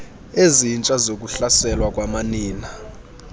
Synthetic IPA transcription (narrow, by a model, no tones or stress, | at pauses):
ezint͡ʃʼazok̬ʼuɬasɛlwakʼwamaniːna